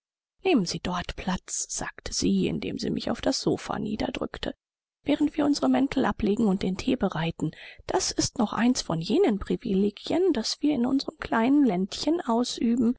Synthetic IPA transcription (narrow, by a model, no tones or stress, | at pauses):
neːmənziːdɔɐtpʰl̥at͡sz̥aːktʰə̥z̥iːɪ̰ndḛːmzḭːmʔɪ̰ça̰ʊfd̥asz̥o̰ːfa̰nḭːdɐ̰dʁʏ̰ktʰə | v̥ɛːʁəntv̥iːɐʊnzəʁəmɛntʰl̩ʔapleːɡŋ̩ʊnt̚d̥eːntʰeːbəʁaɪtn̩d̥asɪstnɔχʔa̰ɪnsfɔnjeːnənpʁ̥ivileːɡjənd̥asv̥iːɐɪnʔʊ̰nzəʁəmkʰl̥aɪnənlɛntçənʔaʊsʔyːbm̩